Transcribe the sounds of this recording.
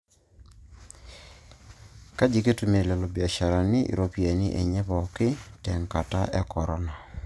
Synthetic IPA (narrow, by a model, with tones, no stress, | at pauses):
ka˦d͡ʒi˨ke˦tu˨me˨lɛ˨lo˨bja˨ʃa˨ɾa˨nɪ˦ḭ˨ɾo˦pje˨nɪ˦ʔḛ˨ɲɛ˦βɔ˨kɪ˦tɛ˨ŋka˨ta̰˦ʔɛ˦kɔ˨ɾɔ˦na˨